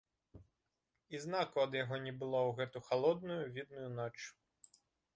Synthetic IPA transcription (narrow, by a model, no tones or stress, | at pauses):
iznakuɐd̪jaɣɔnʲɛbɨlˠɔwɣɛt̪uxalˠɔd̪̚nujuvʲid̪nʊjunɔt͡ʃ